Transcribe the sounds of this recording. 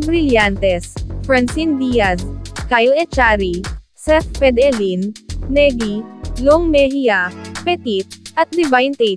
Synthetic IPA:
bɾɪljant̪ɛsfɾɐnsind̪ijaskajoɛt͡ʃaɾi | sɛfpɛd̪ɛlinːɛɡiloŋmɛhiapɛt̪it̪̚ʔɐt̪̚d̪ɛvajnt̪ɛ

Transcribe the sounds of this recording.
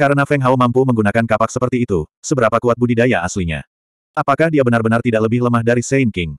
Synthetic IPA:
kaɾənafɛŋɦaumampuməŋɡunakankapak̚səpərt̪iːt̪usəbəɾapakuat̪̚budidajaʔasliɲa̰ | ʔapakahdiabənarbənart̪idaʔləbɪhləmahdaɾisɛinkɪŋ

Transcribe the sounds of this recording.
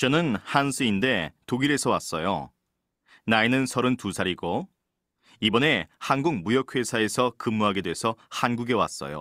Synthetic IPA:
t͡ɕʌnɯnhansʰɯinde̞toɡiɾe̞sʰʌwas͈ʌjo̰ | nainɯnsʰʌɾɯntusʰaɾiɡo | ibʌne̞hanɡuk̚mujʌk̚ʰwe̞sʰae̞sʰʌkɯmːuɦaɡe̞dwe̞sʰʌhanɡuɡe̞wa̰s͈ʌ̰jo̰

